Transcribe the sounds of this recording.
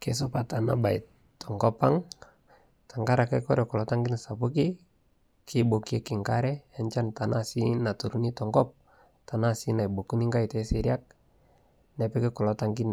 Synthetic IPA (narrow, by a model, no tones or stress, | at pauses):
kes̬ɔpat̪ana̰bait | tːɔŋkɔpaŋ | t̪aŋkaɾakakɔɾɛkɔlɔtaŋɡinsapuki | kʰibokiekiŋkaɾɛaɲt͡ʃant̪anasinat̪uɾunitɔŋkɔp̚ | t̪anasinaibokuniŋɡaitɛsiɾiak̚ | napɛkɛkɔlɔtaŋkin